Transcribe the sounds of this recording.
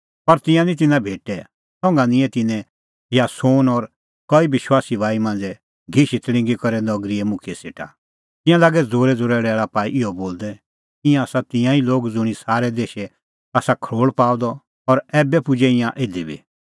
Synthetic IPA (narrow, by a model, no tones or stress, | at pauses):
pɐɾt̪ɪ̃jãnĩt̪̬ɪnãbʱeːʈɛ | sɔ̃ŋɡanɪ̃ɛ̃t̪ɪnɛ̃ | jasoːnɔɾ | kɔibɪʃwaːsibʱaːimãːn̆d͡zɛ | ɡʱiʃit̪ɽ̃ɪ̃ŋɡikɔɾɛnɔɡɾiɛmʊ̃kʰiɛsḛːʈʰa̰ | t̪ɪ̃jãlaːɡɛd͡zoːɾɛd͡zoːɾɛːɽɛːɭapaːiʔɪɔboːld̪ɛ | ɪ̃jãaːsat̪ɪ̃jãiloːɡd͡zʊɽ̃isaːɾɛd̪eːʃɛ | aːsakʰɾoːɭpaːd̪ɔ | ɔɾɛːbɛpʊd͡ʒɛɪ̃jãʔeːd̪ibʱḭ